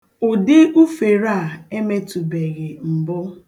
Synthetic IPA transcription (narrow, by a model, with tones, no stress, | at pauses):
o˨de˦ʔu˦fe˨ɾa˦˨e˦me˦tu˨be˨ɣɪ˨m̩˨bʊ˦